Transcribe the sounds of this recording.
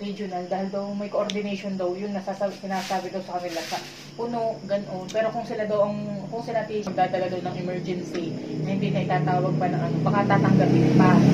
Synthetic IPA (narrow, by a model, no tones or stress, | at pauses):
ɾid͡ʒʊnɐld̪aːhɪld̪ɐwmɐjkoʔoɾd̪ɪnɛjʃond̪ɐwjʊŋnɐsassɪnaːsaːbɪd̪ɐwsɐkɐnɪlasɐ | pʊnoʔɡɐnʔo̞npɛːɾo̞kʊŋsɪlad̪ɐwʔɐŋkʊŋsɪlat̪isɐɡ̚d̪aːd̪ɐlad̪ɐwnɐŋʔɛmɛɹd͡ʒɛnsiɐhɪnd̪inɐʔɪt̪aːt̪aːwɐɡ̚pɐnɐŋʔɐnopɐkat̪aːt̪ɐŋɡapɪnɪpa